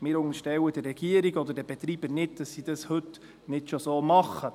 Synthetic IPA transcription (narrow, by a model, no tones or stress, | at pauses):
mɪːɾʊŋəʃtɛwədɪɾɛɡ̥iəɾiɡɔd̪əɾdɛb̥ɛt̪ɾiːb̥əɾnɪtd̥ɑsːid̥ɑshɵt | nɪtʃosoːmɑχːə